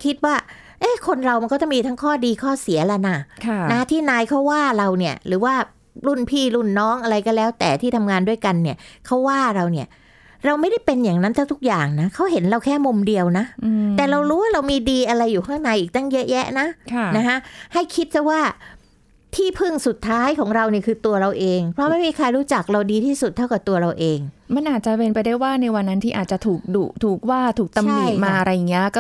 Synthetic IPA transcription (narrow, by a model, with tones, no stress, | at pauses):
kʰi˦˥t̪̚waː˥˩ | ʔeː˦˥˩kʰo˧nɾa˧wma˧nkɔː˥˩t͡ɕa˥˩ŋmiː˧a˦˥ŋkʰɔː˥˩diː˧kʰɔː˥˩si˨˩˦ɐlɛ˨˧˩na˧˩kʰna˦˥t̪ʰiː˥˩naː˧jkʰa˦˥wwaː˥˩ɾa˧wni˥˩ɐəɾɯː˩˦waː˥˩ | lu˥˩npʰiː˥˩lu˥˩nːɔː˦˥˩ŋʔa˧ɾa˧jkɔː˥˩lɛː˦˥wt̪ɛ̰ː˨˩t̪ʰiː˥˩t̪ʰa˧mŋaː˧ndu˥˩əjka˧nːi˥˩ɐkʰa˦˥wːaː˥˩ɾa˧wni˥˩ɐ | ɾa˧wma˥˩jda˥˩jpe˧njaː˨˩ŋna˦˥nt̪ʰt̪ʰu˦˥k̚jaː˨˩ŋna˦˥kʰa˦˥wɦe˩˦nɾa˧wkʰɛː˥˩mo˧mdi˧əwna˦˥t̪ɛː˨˩ɾa˧wɾuː˦˥waː˥˩ɾa˧wmiː˧diː˧ʔa˧ɾa˧jːuː˨˩kʰaː˥˩na˨˦jʔiː˨˩k̚t̪a˥˩ŋjɤ˦˥ʔjɛ˦˥ʔna˦˥kʰa˥˩na˦˥kʰa˦˥ʔha˥˩jkʰi˦˥t̪̚t͡ɕa˥˩waː˥˩ | t̪ʰiː˥˩pʰɯ˥˩ŋsu˨˩t̪ʰːaː˦˥jkʰɔː˩˦ŋɾa˧wni˥˩ɐkʰɯː˧t̪u˧ɐɾa˧wʔeː˧ŋpʰɾɔ˦˥ma˥˩jmiː˧kʰa˧jɾuː˦˥t͡ɕa˨˩k̚ɾa˧wdiː˧t̪ʰiː˥˩su˨˩t̪ʰːa˥˩wka˨˩t̪u˧ɐɾa˧wʔeː˧ŋma˧nʔaː˨˩t̪̚t͡ɕa˨˩pe˧npa˧jdaː˥˩jwaː˥˩na˧jwa˧nːa˦˥nt̪ʰiː˥˩ʔaː˨˩t̪t͡ɕa˨˩t̪ʰuː˨˩k̚duː˨˩k̚t̪ʰuː˨˩k̚waː˥˩t̪ʰuː˨˩k̚t̪a˧mli˨˩maː˧ʔa˧ɾa˧jːa˨˩ŋːi˦˥ɐkɔ˥˩